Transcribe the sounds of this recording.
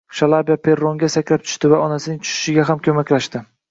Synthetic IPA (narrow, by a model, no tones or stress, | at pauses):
ʃalˠabjapʰe̞ɾoŋɡʲasakʲlap̚t͡ʃ̪ʰʊ̥ʃt̪ɪvaɒnasɪnɪŋt͡ʃ̪ʰʊ̥ʃɪ̥ʃɪɡʲaɦamkʲʰɵmakʲlaʃt̪ɪ